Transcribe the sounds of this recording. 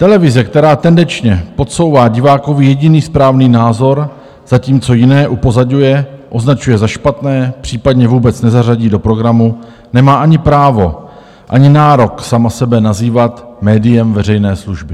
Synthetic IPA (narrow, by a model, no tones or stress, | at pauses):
t̪ɛlɛvɪzɛkt̪ɛɾaːt̪ɛndɛnt͡ʃɲɛpo̞t̪so̞wvaːɟɪvaːko̞vɪjɛɟɪniːspɾaːvniːnaːzo̞ɾ | z̥aciːmt͡so̞jɪnɛːʔupo̞zaɟujɛʔo̞znat͡ʃujɛzaʃpat̪nɛːpr̝̥iːpadɲɛvuːbɛt͡snɛzaraɟiːdo̞pɾo̞ɡɾamu | nɛmaːʔaɲɪpɾaːvo̞ | ʔa̰ɲɪnaːɾo̞ksamasɛbɛnaziːvat̪mɛːdɪjɛmvɛrɛjnɛːsluʒbɪ